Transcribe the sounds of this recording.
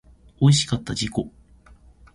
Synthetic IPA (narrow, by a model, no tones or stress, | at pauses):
o̞iɕi̥kat̪ːad͡ʑiko̞